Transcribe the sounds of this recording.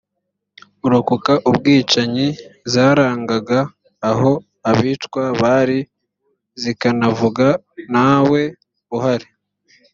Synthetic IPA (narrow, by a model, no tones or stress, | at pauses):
uɾokukaʔubɡiːt͡ʃaɲizaːɾaːŋɡaɡaː | ɦo̞ | aβiːtkwaβaːɾi | zikanavuɡa | nawe̞ | uhaɾi